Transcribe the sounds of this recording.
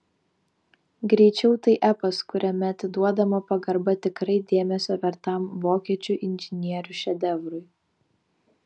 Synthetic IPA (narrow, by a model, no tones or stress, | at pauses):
ɡɾʲɛɪt͡ʃʲɛʊt̪ɐɪʔæpɐskʊɾʲɛmʲɛɐt̪ʲɪd̪uɔd̪ɐmopɐɡɐɾbɐt̪ʲɪkɾɐɪd̪ʲeːmʲɛsʲoːʋʲɛɾt̪ɐˑmʋoːkʲiɛt͡ʃʲʊʔɪnʲʒʲɪnʲiɛɾʲʊʃʲɛd̪ʲɛʋɾʊɪ